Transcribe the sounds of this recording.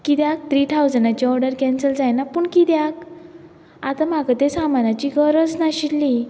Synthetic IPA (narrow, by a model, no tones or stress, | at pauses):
kid̪jak̚t̪ɾiːt̪ʰawd͡zənat͡ɕiɔɾɽəɾkɛ̃nsəld͡zajnapuːɳkid̪jak | at̪am̤aɡət̪esamanat͡ɕiɡəɾəd͡znaɕilːi